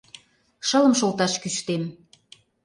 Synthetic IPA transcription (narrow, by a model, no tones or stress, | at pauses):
ʃələ̆mʃolt̪ɑʃkyʃt̪em